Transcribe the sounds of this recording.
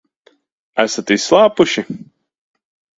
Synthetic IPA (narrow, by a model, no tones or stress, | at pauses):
æsat̪isslˠaːpuʃi